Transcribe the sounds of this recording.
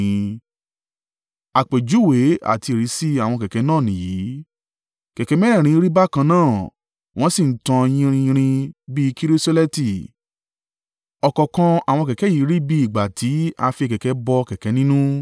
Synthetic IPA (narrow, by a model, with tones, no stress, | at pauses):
a˨k͡pe˨d͡ʒu˨˦˨we˨˦a̰˦˨ti˧i˨ɾi˨˦si˦a˦˨w̃ɔ̃˧kɛ˨kɛ˨˦nãː˦˨nĩ˨ji˨˦ | kɛ˨kɛ˨˦mɛ˦ɾɛ̃˦˨ɾ̃ĩ˨˧˦ɾi˦ba˦˨kã˧nãː˦˨ | w̃ɔ̃˦si˦˨n̩˦tã˧j̃ĩ˧ɾ̃ĩ˧ĩ˧ɾ̃ĩ˧bi˦ki˦ɾi˦so˦lɛ˦ti˦˨ | ɔ˨kɔ˨kã˧a̰˨w̃ɔ̃˧kɛ˨kɛ˨˦ji˨˦ɾi˦bi˦i˦˨ɡ͡ba˨tʰi˨˦a˧fi˧kɛ˨kɛ˨˦bɔ˧kɛ˨kɛ˨˦nĩ˦nũ˦